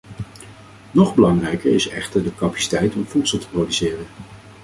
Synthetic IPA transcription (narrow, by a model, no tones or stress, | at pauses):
nɔχbəlɑŋrɛjkəɹɪsɛχtəɹdəkapḁsi̥tɛjtɔmvutsəlˠtə̥prowdysɪːrən